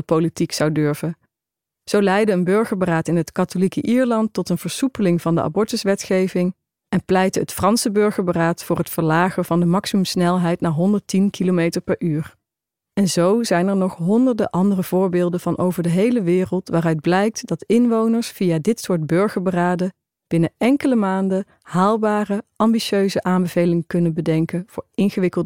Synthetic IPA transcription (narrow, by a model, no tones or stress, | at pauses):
əpowlitiksɑwdøɹv̥ə | z̥owlɛjdəənbɵɹχəɹbəraːtɪnɦətkɑtolikəʔiːɹlɑntːɔtənv̥əɹsupəlɪŋvɑndə̰ʔa̰bɔɹtəsʋɛtχejvɪŋ | ɛnplɛjtəətfrɑnsəbɵɹχəɹbəraːtfʊːɹɦətfəɹlaːχəv̥ɑndəmɑksimɵmsnɛlˠɦɛjtnaːɹɦɔndəɹtinkilomejtəɹpɛɹʔyːr | ɛnzowzɛjnɛɹnɔχɦɔndəɹdəʔɑndərəv̥ʊːɹbɪːlˠdəv̥ɑnʔowvəɹdəɦejləʋɪːrəlˠtʋaːrœɥd̚blɛjk̚tdɑtɪnʋownəɹsfiaːdɪtsʊːɹd̚bɵɹχəɹbəraːdə | b̥ɪnəɛŋkələmaːndə | haːlˠbaːrəɑmbiʃøɥzəʔaːmbəvejlɪŋəkɵnənbədɛŋkənv̥ʊːɹɪnχəʋɪkəlˠd